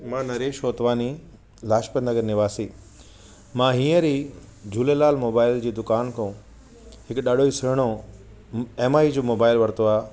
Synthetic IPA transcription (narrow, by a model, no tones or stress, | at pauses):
mãːnɐɾeːʃoːt̪ʋaːni | laːʃpə̃nd̪əɡəɾnɪʋaːsiː | mãɦĩːə̃ɾiː | d͡ʑʱuːlelaːlmoːbaːɪld͡ʑiːd̪ʊkaːnkʰõ | ɦɪkɗaːɗʱoːisɪɾɽ̃o | eːmaːid͡ʑoːmoːbaːɪlʋɐɾt̪oaː